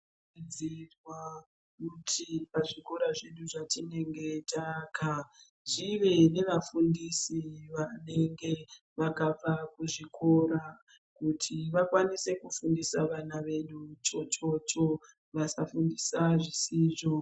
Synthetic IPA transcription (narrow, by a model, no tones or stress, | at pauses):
d͡zirwa | kutʰipaʐiko̞ɾaʐeɗuʐatine̞ŋɡe̞takʰa | ʐiʋe̞ne̞ʋafundisiʋane̞ŋɡe̞ | ʋakap͡fakuʐikʰo̞ɾa | kutʰiʋakwanise̞kufundisaʋanaʋe̞ɗut͡ʃo̞t͡ʃo̞t͡ʃo̞ | ʋasafundisaʐisiːʐo̞